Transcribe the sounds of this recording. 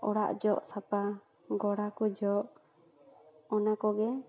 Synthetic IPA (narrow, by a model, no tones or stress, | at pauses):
ɔɽa̰ʔd͡ʒɔʔsap̪a | ɡɔɽakud͡ʒɔʔ | ɔnakɔɡɛ